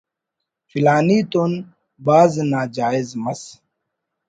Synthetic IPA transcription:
filaːniːt̪on | baːznaːd͡ʑaːizmɐs

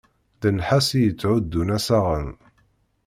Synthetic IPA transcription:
ðənħasijət͡sːʕʊd̪ːunæsaʁən

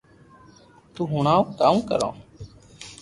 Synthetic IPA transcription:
t̪uːɦuɳaːõkaːũːkə̰ɾõ̰ː

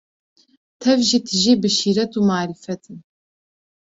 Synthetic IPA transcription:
tʰɐvʒiːtʰɨʒeːbɨʃiːɾɐtʰuːmaːɾifɐtʰɨm

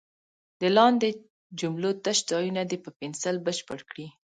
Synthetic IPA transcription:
d̪əlɑnd̪e | d͡ʒumlot̪aʃd̪ɑjunad̪epəpɪnsəlbəʃpəɽkɽi

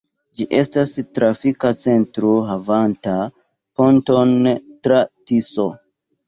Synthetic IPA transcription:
d͡ʒiʔe̞stastɾafikat͡se̞ntɾoɦavanta | po̞nto̞ntɾatiso

